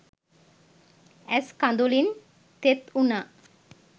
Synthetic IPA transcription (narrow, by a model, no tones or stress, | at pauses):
ɛskand̪ulin | t̪et̪una